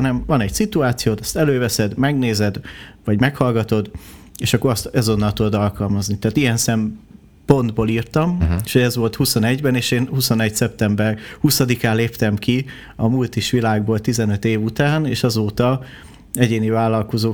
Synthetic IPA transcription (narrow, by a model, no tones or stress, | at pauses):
nɛɱvɒnɛɟsit̪uaːt̪sijoːt̪ɛst̪ɛløːvɛsɛd̪mɛɡneːzɛd̪vɒɟmɛkhɒlɡɒt̪o̞d̪eːʃɒkːoɾɒst̪ɛzo̞nːɒlt̪ud̪od̪ɒlkɒlmɒznit̪ɛːt̪ijɛnsɛm | po̞nd̪boːliːrt̪ɒmeʃhoɟɛzʋo̞lt̪huso̞nɛɟbɛneːʃeːnhuso̞nɛɟsɛp̚t̪ɛmbɛrhusɒd̪ikaːleːpt̪ɛmki | ɒmult̪iʃʋilaːɡboːlt̪izɛnø̞t̪eːvut̪aːneːʃɒzoːt̪ɒ | ɛɟeːnivaːlːɒlko̞zoː